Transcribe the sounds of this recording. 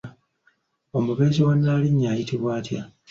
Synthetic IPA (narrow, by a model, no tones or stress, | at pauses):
o̞muβe̞ːziwanːaːliɲːaːjitiβwaːtja̰